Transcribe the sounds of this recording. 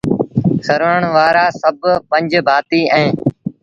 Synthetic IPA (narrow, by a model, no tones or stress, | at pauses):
səɾəəɳʋaːɾaːsəbpə̃ɲd͡ʒbʱaːt̪iːʔɛ̃ː